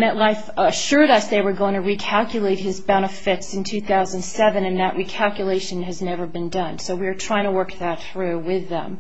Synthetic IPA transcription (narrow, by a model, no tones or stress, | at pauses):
nɨʔˡlaɪfʃʊɹɾʌsðeɪwə˞ɡoʊɪ̃ŋtʰəɹikʰælˠkjɨleɪt̚hɨzbãʊ̃nʌv̥fɪtsɨ̃ntʰʉθaʊzə̃ndsɛvɨ̃nɨ̃nðɨʔɹikʰælˠkjɨleɪʃɨ̃nɨznɛvə˞bɨ̃ndʌ̃nsoʊwiə˞tʰɹ̥aɪɪ̃ŋtʰəwɜ˞k̚ðɨt̪̚θɹʉwɪðə̰̃m